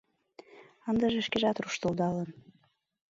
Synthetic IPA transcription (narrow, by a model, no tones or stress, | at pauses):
ənd̪əʒeʃkeʒɑt̪ruʃt̪old̪ɑlən